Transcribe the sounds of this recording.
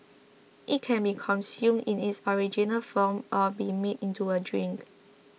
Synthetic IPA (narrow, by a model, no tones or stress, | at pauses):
ʔit̚kʰɛ̃nbikʰɔ̃nsjũmĩnitsɔɹid͡ʒinəlfɔmʔɔbimetĩntuədɹĩŋk